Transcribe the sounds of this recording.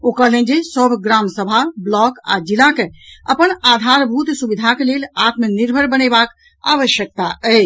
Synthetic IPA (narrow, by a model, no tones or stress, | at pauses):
okəɦlə̃nd͡ʒesəbʱɡɾamsəbʱablɔka̰d͡ʒilakeəpənad̪ʱaɾbʱut̪subid̪ʱakelelat̪məniɾbʱəɾbəñebak | a̰ʋəʃjək̚t̪aʔɛ